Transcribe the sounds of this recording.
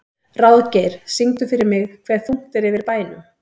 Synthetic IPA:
rawðcɛɾ̥siŋt̪ʏfɪɾɪɾmɪɣkʰvɛð̥fuŋ̥t̪ɪɾɪvɪɾpaːjnʏ

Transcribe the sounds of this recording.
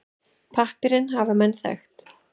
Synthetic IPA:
pʰahpɪɾɪnɦaːvamɛnːθɛ̰xt̪

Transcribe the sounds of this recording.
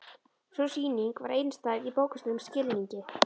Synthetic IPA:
sɔsiːniŋkvaɾej̪nst̪aːðipoːwkḁst̪ʏʏmscɪlniɲcɪ

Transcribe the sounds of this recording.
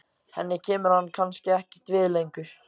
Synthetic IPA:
hɛ̰nːɪcʰɛːmʏɾ̥hanːkʰanscɪɛhcɪ̥t̪vɪːðlejŋkʏɾ̥

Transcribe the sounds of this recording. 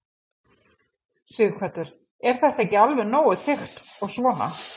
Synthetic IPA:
sɪɣkʰvɛt̪ʏɾ̥ | ɛɾ̥θɛht̪ːejcːɪalvɛnoːwʏðθɪxt̪ | ɔɣsvɔːna̰

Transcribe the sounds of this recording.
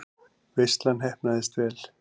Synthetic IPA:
vejst̪lanɦɛhpnaðɪst̪vɛːl

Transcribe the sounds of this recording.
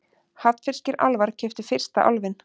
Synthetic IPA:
hat̪fɪr̥scɪɾa̰lvaɾ̥cʰɛft̪ʏ̥fɪr̥st̪a̰ʔa̰lvɪn

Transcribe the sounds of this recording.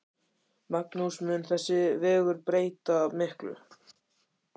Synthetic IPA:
mak̚nusmʏnθɛsːɪvɛːɣʏɾpɾeːjt̪aːmɪhklʏ̰

